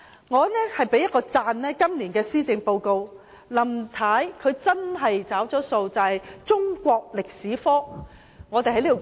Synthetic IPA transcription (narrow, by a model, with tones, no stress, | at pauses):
ŋɔː˨˧˦nɛː˥hɐ˨jpe˨˥jɐ˥t̚kːɔː˧t͡saː˧nnɛː˥kɐ˥mliː˨˩nkɛː˧siː˥t͡sɪ˧ŋpo˧wko˧w | lɐ˨˩mt̪ʰaː˨˥jkʰɵ˨˧ɥt͡sɐ˥nɦɐ˨jt͡saː˨˥wt͡ʃɔː˨˥so˧wt͡sɐ˨hɐ˨jt͡ʃʊ˥ŋkʷɔː˧k̚lɪ˨k̚siː˨˥fɔː˥ | ŋɔː˨˧t̪e˨jɦɐ˧˥jli˥˨˩